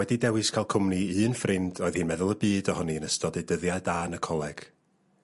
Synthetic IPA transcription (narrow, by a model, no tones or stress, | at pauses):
wɛdidɛwɨskʰajlˠkʰʊmniɨːnfrɪndɔɨðhɨːnmɛðʊlˠəbɨːdɔhɔniənəstɔdedəðjadanəkʰɔlˠɛɡ̥